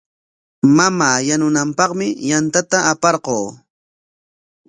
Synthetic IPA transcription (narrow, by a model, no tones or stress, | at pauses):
mamaːjanʊnampɑqmɪjant̪at̪aːpɑɾqoː